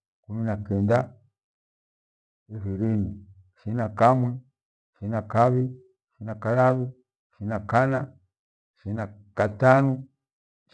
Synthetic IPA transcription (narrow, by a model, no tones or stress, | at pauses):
kuminakɛnda | ihiɾini | ʃinakamwɛ | ʃinakaβi | ʃinakalaβu | ʃinakana | ʃinakatanu